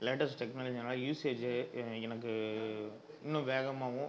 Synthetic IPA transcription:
lɛʈɐɾsʈɛknaːlɐd͡ʒinaːlɐjuːseːd͡ʒeɛnɐk̬ːɯ | ɪnːʊ̃ʋeːɣɐmaːʋʊ̃

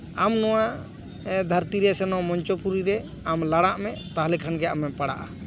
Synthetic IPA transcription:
amnɔwa | ɛd̪ʱaɾt̪iɾɛsɛnɔmɔɲt͡ʃɔpuɾiɾɛ | amlaɽaʔmɛʔt̪aɦlɛkʰanɡɛa̰mɛpaɽa̰ʔa̰

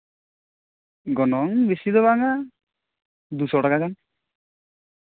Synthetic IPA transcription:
ɡɔnɔŋbisid̪ɔbaŋa | d̪usɔʈakakaŋ

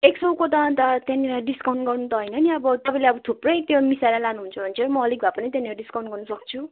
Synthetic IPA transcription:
eksʌwkot̪ant̪ʌt̪janiɾaɖiskawnɡʌrnut̪ʌɦʌjnʌniʌbʌt̪ʌpãleʌbʌt̪ʰuprʌjt̪jomisaɾalanuɦunt͡sʰʌbʱʌnt͡sʰʌmʌʌlikbʱapʌnit̪janieɾaɖiskawnɡʌrnʌsʌk̚t͡sʰu

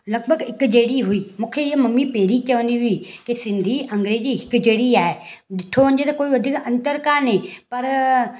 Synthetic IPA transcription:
lɐɡ̚bʱəɡɪkd͡ʑeːɽiɦʊiːmũːkʰeɪɦmɐmipeːɾit͡ɕɐʋəniɦʊikesɪ̃nd̪ʱiʔɐ̃ŋɡɾeːd͡ʑiɦɪkd͡ʑeːɽiaːeɗɪʈʰoʋɐ̃ɲd͡ʑet̪ɐkoːiʋɐd̪ʱiːkɐ̃nt̪əɾkaːɾnẽːpɐɾ

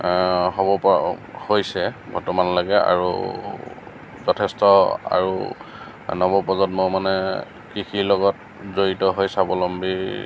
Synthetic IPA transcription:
ɦɔbɔphojsɛbʱɔɹtɔmanɔlaɡɛa̰ɹṵ | zɔtʰɛstɔa̰ɹu | nɔbɔpɔzɔtmomanɛ | kixʰilɔɡɔt | zoɹitɔɦojsabɔlɔmbi

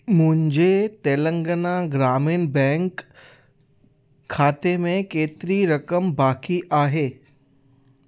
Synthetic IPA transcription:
mũɦɲd͡ʑet̪eːlə̃ŋɡənaɡɾaːmiːnbɛ̃ŋk | aːt̪emẽkeːt̪ɾiɾəkəmbaːkiʔaːɦeː

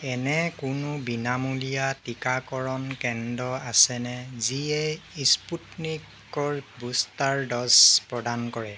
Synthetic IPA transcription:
ɛnɛkunʊbinamulijatikakɔɹɔnkɛndɔasɛnɛziɛisputnik | ɔɹbustaɹdɔspɹɔdankɔɹɛ

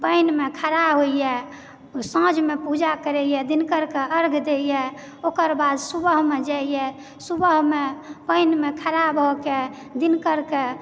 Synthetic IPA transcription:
pəɪnmekʰəɾabɦoijɛ | sə̃d͡ʒmepud͡ʒakəɾɛjɛd̪inkəɾkeʔəɾɡd̪ejɛ | okəɾbad̪subəɦmed͡ʒaijɛ | subəɦmepəɪnmekʰəɾabɦɔke | d̪inkəɾke

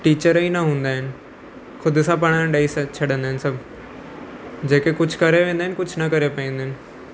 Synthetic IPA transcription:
ʈiːt͡ʃəɾiːnãːɦʊ̃nd̪aːɦɛn | kʰʊd̪sãːp̬aɽ̃ãːɖaːiːsət͡ʃʰəɖə̃nd̪aːɦnsəb | d͡ʒeːkekʊt͡ʃʰkəɾeːʋẽːnd̪eːɛnkʊt͡ʃʰnaːkəɾeːpːẽːnd̪eːɦn

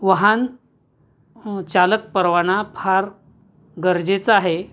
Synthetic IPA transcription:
ʋəɦan | t͡ɕalək̚pəɾʋañapʰaɾ | ɡəɾd͡ʑet͡saɦe

